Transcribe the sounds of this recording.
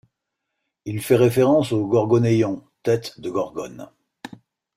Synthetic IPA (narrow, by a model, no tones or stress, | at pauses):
ilfɛʁefeʁɑ̃soɡɔʁɡɔnejɔ̃t̪ɛt̪d̪əɡɔʁɡɔn